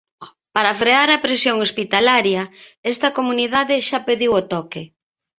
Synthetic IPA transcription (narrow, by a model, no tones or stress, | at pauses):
paɾɐfɾeaɾɐpɾesjoŋospit̪alaɾjɐɛst̪ɐkomuniðaðɪʃapeðiwot̪ɔke